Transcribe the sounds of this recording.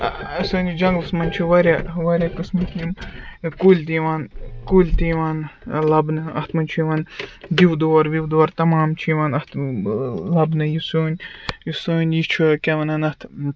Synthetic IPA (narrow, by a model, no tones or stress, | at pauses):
ɐsoːnʲd͡ʒɐŋɡlɨsmɐnʲt͡ʃʰuʋɐɾʲaʋɐɾʲjakɨsmɐt̪jinkulʲt̪iːʋaːnkulʲt̪iːʋaːnlɐbnɨɐ̰ht̪ʰmɐnʲt͡ʃʰuʋaːnd̪iwd̪oːɾʋiwd̪oːɐɾt̪ɐmaːmt͡ʃʰuʋaːnɐt̪ | lɐbnɨjisoːnʲjusoːnʲjit͡ʃʰukʲeʋɐnɐnɐt̪ʰ